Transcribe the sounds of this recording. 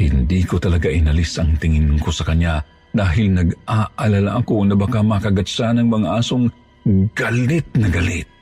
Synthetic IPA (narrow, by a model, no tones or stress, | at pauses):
hɪnd̪ikot̪ɐlɐɡaʔɪnɐlɪsʔɐŋt̪ɪŋɪnkosɐkɐɲːa | d̪aːɦɪlnɐɡʔaʔɐlalaʔɐkonɐbɐkamakɐɡɐsanɐŋmɐŋaʔaːsoŋ | ɡ̥alɪt̪̚nɐɡalɪt̪̚